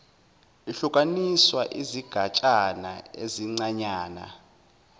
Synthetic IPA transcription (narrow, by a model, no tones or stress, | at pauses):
iɬukʼaniswaʔiziɡ̥ʱat͡ʃʼana̰eziŋ͡ǀaɲaːna̰